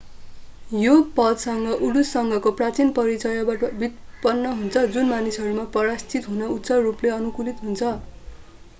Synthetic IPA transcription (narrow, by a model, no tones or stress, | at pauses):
jopʌd̪sʌŋɡʌʔuɽusːʌŋɡʌkoprat͡sinpʌɾit͡sʌjʌbaʈʌbit̪̚pʌnːʌɦunt͡sʰʌd͡zunmanisɦʌɾumapʌɾast͡sit̪ɦunʌut̪sʌrupleʌnukulit̪ɦunt͡sʰʌ